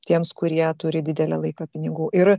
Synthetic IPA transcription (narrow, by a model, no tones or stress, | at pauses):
t̪ʲiɛmskʊɾʲiɛt̪ʊɾʲɪd̪ʲɪd̪ʲɛlʲɛlˠɐɪkɐpʲɪnʲɪɡuːʔɪɾ